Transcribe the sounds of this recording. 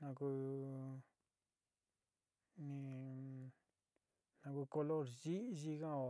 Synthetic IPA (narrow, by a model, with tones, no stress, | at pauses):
nã˧ku˧ | nĩ˧ | nã˧ku˧ko˧lo˦˨ɾʒi˦ʒi˧kã˦˨o˨